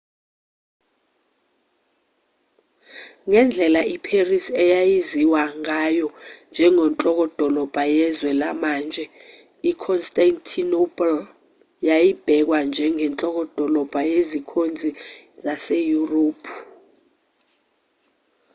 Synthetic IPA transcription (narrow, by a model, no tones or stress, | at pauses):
ŋɛnd͡ɮʱɛlaipʰerisɛjajiziwaŋajɔnd͡ʒʱɛŋɔnt͡ɬʼɔk̬ɔd̥ʱɔlɔb̥ʱajɛzwɛlamaːnd͡ʒʱɛ | ikʰɔnstʼantʰinopʰʼl | jajib̥ʱɛk̬wand͡ʒʱɛŋɛnt͡ɬʼɔk̬ɔd̥ʱɔlɔb̥ʱajezikʰond͡zʱizasejuroːpʰu